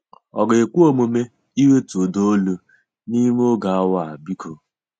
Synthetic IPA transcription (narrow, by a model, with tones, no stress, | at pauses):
ɔ˨ɡe˨kʷu˦o˦˨mo˨me˦ | i˦we˦tu˨do˦o˦lo˨ | ni˦me˦o˦ɡa˨a˦wa˦˨a˨bi˦kʰo˨